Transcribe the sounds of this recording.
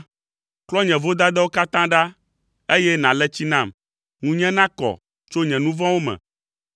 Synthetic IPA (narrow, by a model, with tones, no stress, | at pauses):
klɔ˦ɲɛ̃˨vo˦d̪a˦d̪ɛ˦wo˦ka˦t̪ã˦ɖa˦ | e˦jɛ˦nã˨lɛ˦t͡ɕi˦nã˦˨m | ŋũ˦ɲɛ̃˦nã˦kɔ̰˨ | t͡ʃo˦ɲɛ̃˨nũ˦vɔ̃˦wo˦mɛ̰̃˨